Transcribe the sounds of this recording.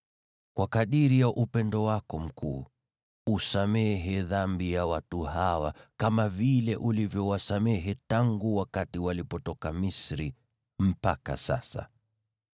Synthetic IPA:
kwakaɗiɾijaʔupɛndɔwakɔm̩kʰṵː | usamɛɦɛðambijawatuhawa̰kamavilɛʔulivjɔwasamɛɦɛtaŋɡuwakatiwalipɔtɔkamisɾi | m̩paka̰sa̰sa̰

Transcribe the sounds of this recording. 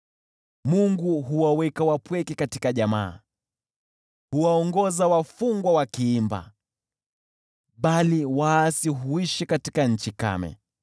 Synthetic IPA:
muŋɡuɦuwawɛkawapwɛkɛkatikaʄama̰ː | huwaɔŋɡɔzawafuŋɡwawakiimba̰ | ɓaliwaːsiɦuiʃikati̥kaɲ̩t͡ʃika̰mɛ̰

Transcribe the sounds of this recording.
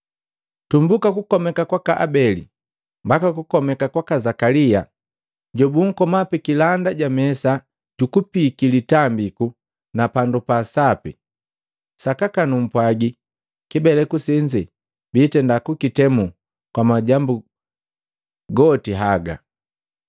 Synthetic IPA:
tumbukakukɔmɛkakwakaʔa̰bɛlḭ | mbakakukɔmɛkakwakazakalia | ɟɔbuŋ̩kɔmapɛkilandaɟamɛsa | ɟukupikilitambiku | napandupasapḭ | sakakanum̩pwaɡi | kibɛlɛkusɛɲd͡ʒɛ | bitɛndakukitɛmu | kwamaɟambu | ɡɔtiɦaɡa̰

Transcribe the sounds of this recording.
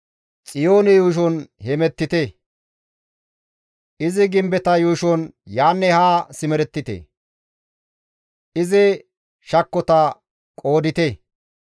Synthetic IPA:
t͡sʼɪjoːnɛjuːʃ̬ɔnhɛmɛt̪ːɪt̪e | ʔɪzɪɡɪmbɛt̪ɐjuːʃɔnjaːnːɛhaːsɪmɛɾɛt̪ːɪt̪ɛ̰ | ʔɪzɪ | ʃɐkːɔt̪ɐ | kʼo̞ːd̪ɪt̪e

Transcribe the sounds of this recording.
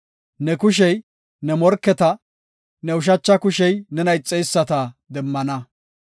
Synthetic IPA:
nɛkʊʃ̬ɛj | nɛmɔɾkːɛt̪ɐ | nɛʊʃ̬ɐt͡ʃːɐkʊʃɛjnɛnɐjt͡sʼːɛjsːɐt̪ɐd̪ɛmːɐnɐ

